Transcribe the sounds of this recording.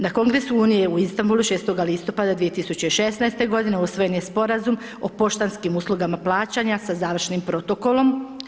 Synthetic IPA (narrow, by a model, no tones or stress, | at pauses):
nako̞ŋɡɾe̞suuːnije̞uist̪ambulˠuʃeːst̪o̞ɡalist̪o̞pad̪ad̪ʋie̞t̪isut͡ɕeiʃe̞snaest̪e̞ɡo̞d̪ine̞usʋo̞je̞nje̞spo̞ɾazum | o̞̰po̞ʃt̪anskimuːslˠuɡamaplˠaːt͡ɕaɲasazaːʋr̩ʃnimpɾo̞t̪o̞ko̞lˠo̞m